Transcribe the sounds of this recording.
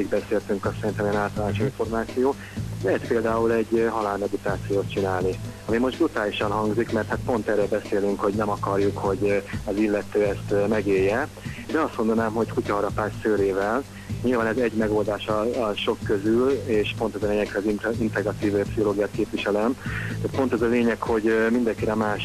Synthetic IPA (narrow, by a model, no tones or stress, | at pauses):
iɡbɛseːlt̪yŋkɒsɛɾint̪ɛmeɛnaːlt̪ɒlaːnt͡ʃiɱfo̞rmaːt̪sijoː | ɛspeːld̪aːulɛɟːɦɒlaːlmɛd̪it̪aːt̪sijoːt̪̚t͡ʃinaːlniɒmimo̞ʒd̪brut̪aːliʃɒnɦɒŋɡzikmɛrt̪hat̪̚po̞nt̪ɛrːɛlbɛseːlyŋkho̞ɟnɛmɒkɒrjukho̞ɟɒzilːɛt̪øːɛst̪mɛɡeːjːɛ | d̪ɛɒst̪mo̞nd̪ɒnaːmɦo̞ckucɒɦɒɾɒpaːssøːɾeːvɛl | ɲilvaːnɛzɛɟmɛɡo̞ːld̪aːʃɒʃo̞kːøzyleːʃpo̞nt̪ɛzɒleːɲɛkhɛziint̪ɛɡrɒt̪iːvpsiɦoloːɡijaːt̪̚keːpvʋiʃɛlɛmt̪aːt̪̚po̞nt̪ɛzɒleːɲɛkho̞ɟmind̪ɛŋkiɾɛmaːʃ